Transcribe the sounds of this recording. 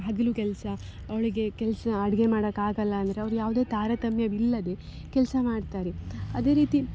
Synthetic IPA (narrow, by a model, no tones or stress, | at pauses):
ɦɐɡ̪ɐlukɛlsɐ | ɐʋɭiɡe̞kɛlsɐɐɽɐɡe̞maːɽɐkːaːɡɐlːɐɐnd̪ɐɾeɐʋɾujaːʋud̪eːt̪aːɾɐt̪ɐmjɐʋilːɐd̪e̞ | kɛlsɐmaːɖt̪aːɾeɐd̪e̞ːɾiːt̪i